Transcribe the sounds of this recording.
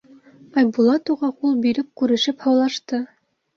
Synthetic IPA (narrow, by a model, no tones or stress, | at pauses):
ɑjbulˠɑt̪uʁɑqulˠbiɾɘp̚kʉɾɘ̆ʃɘphɑwlˠɑʃt̪ɤ